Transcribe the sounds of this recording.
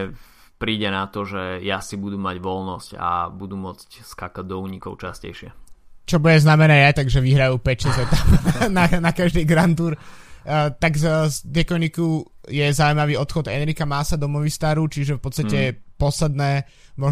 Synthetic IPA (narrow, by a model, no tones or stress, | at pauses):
pɾiːɟɛnat̪ɔʒɛjasibud̪umaɟʋɔlnɔsca̰bud̪umʊɔt͡scskakaɟ̚d̪ɔuːɲikɔʊt͡ʃascɛ̰jʃɪɛt͡ʃɔbuɟɛznamɛnɛːjat̪aɡʒɛʋiɦɾajuːpɛcʃɛzɛt̪apnanakaʒd̪iːɡɾant̪uːɾ | t̪aɡzd̪jɛkɔɲikujɛzauimaʋiːɔt̪xɔd̪ɛnɾikamaːsad̪ɔmɔʋist̪aːɾut͡ʃiʒɛfpɔt̪st̪acɛpɔslɛd̪̚nɛː | mɔ